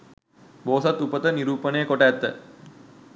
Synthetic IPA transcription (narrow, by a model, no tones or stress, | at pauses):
boːsat̪ːupət̪əniɾuːpənəjəkoʈəːt̪ːə